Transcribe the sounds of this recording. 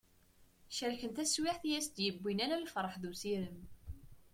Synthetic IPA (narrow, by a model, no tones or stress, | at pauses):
ʃæɾçənt̪æswɪħθjæsd̪jəbːinæɾælfɾˤəħðusiɾəm